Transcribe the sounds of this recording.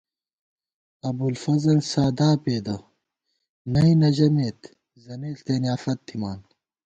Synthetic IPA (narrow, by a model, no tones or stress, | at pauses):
ɐbulfɐzɐlsaːd̪aːpeːd̪ɐ | nɐinɐʑɐmeːt̪ | zɐneːst̪eːnijaːfɐt̪ʰːimaːn